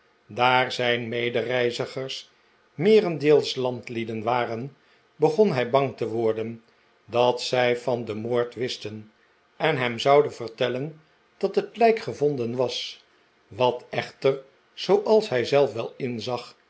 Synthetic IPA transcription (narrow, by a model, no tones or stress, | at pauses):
daːɹzɛjnmejdərɛjzəχəɹs | mɪːrəndeːlˠslɑntlidənʋaːrən | bəχɔnɦɛjbɑŋtəʋʊɹdən | dɑtsɛjfɑndəmoːɹtʋɪstən | ɛnɦɛmzɑwdənvəɹtɛlən | d̥ɑtətlɛjkχəvɔndənʋɑs | ʋɑtɛχtər | z̥owʔɑlˠsɦɛjzɛlˠfʋɛlˠɪnzɑχ